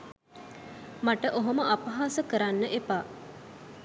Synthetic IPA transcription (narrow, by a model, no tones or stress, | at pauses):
maʈəʔoɦoməʔapɐɦasəkəɾanːəʔepaː